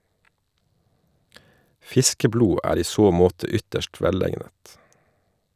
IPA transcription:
ˈfɪskəˌbluː ˈæːɾ ˈiː ˈsoː ˈmoːtə ˈʏtəʃt ˈʋɛˌleɪnət

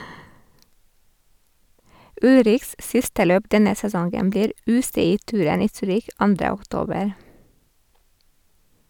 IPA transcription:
ˈʉlɾɪçs ˈsɪstə ˈløːp ˈdɛnə sɛˈsɔŋɡəm ˈbliːɾ ˈʉːsɛˌiːˌtʉːɾən ˈiː ˈsyːɾɪç ˈɑndɾə ɔkˈtoːbəɾ

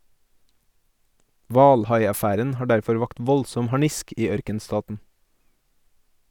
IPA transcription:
ˈʋɑːlˌhɑɪɑˌfæːɾən ˈhɑː ˈɖæɾfɔɾ ˈʋɑːkt ˈʋɔlsɔm hɑˈɳɪsk ˈiː ˈœɾkənˌstɑːtn̩

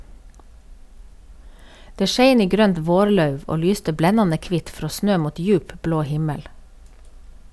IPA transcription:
ˈdeː ˈʃeɪn ˈiː ˈɡɾøːnt ˈʋoːɾˌlɑʉʋ ˈoː ˈlyːstə ˈblɛnɑnə ˈkʋɪt ˈfɾoː ˈsnøː ˈmuːt ˈjʉːp ˈbloː ˈhɪməl

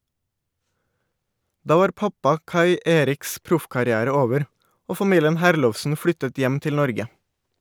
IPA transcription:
ˈdɑː ˈʋɑːɾ ˈpɑpɑ ˈkɑɪ ə ˈʔeːɾɪks ˈpɾʊfkɑɾɪˌæːɾə ˈoːʋəɾ ˈoː fɑˈmiːljən ˈhæːɾlɔʋsn̩ ˈflʏtət ˈjɛm ˈtɪl ˈnɔɾɡə

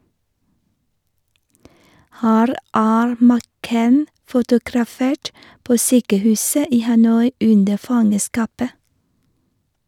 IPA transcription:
ˈhæːɾ ˈæːɾ mæˈkeɪn fʊtʊɡɾɑˈfeːʈ ˈpoː ˈsyːkəˌhʉːsə ˈiː hɑˈnɔʏ ˈʉndə ˈfɑŋəˌskɑːpə

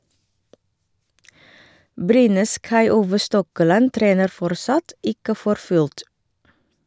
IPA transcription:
ˈbɾyːnəs kɑɪˈuːʋə ˈstɔkəˌlɑn ˈtɾeːnəɾ ˈfɔɾˌsɑt ˈɪkə ˈfɔɾ ˈfʉlt

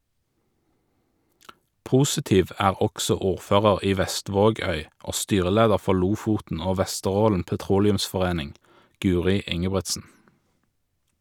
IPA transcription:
ˈpuːsɪˌtiːʋ ˈæːʁ ˈɔksɔ ˈuːʁˌføːʁəʁ ˈiː ˈʋɛˌstʋoːˌɡœʏ ˈoː ˈstyːʁəˌleːdəʁ ˈfɔʁ ˈluːfuːtn̩ ˈoː ˈʋɛstəˌʁoːln̩ pɛˈtʁuːlɪʉmsfɔˌʁeːnɪŋ ˈɡʉːʁɪ ˈɪŋəbʁɛtsn̩

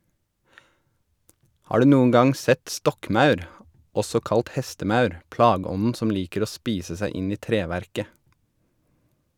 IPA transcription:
ˈhɑː ˈɖʉː ˈnuːəŋ ˈɡɑŋ ˈsɛt ˈstɔkˌmɑʉɾ ˈɔsɔ ˈkɑlt ˈhɛstəˌmɑʉɾ ˈplɑːˌɡɔnn̩ ˈsɔm ˈliːkəɾ ˈoː ˈspiːsə ˈsæɪ ˈɪn ˈiː ˈtɾeːˌʋæɾkə

